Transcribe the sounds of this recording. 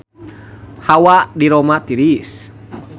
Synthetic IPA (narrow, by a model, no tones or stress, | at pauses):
hawaʔdiɾɔmat̪iɾis